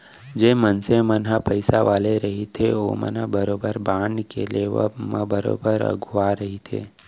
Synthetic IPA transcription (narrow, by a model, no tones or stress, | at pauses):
d͡ʒeːmənsemənɦapəɪsaʋaːleɾɐɦit̪ʰeo̰mə̰nabəɾoːbəɾbaːɳkḛleʋ̰mabəɾo̰ːbəɾə̰ɡʱʋaɾəɦit̪ʰḛː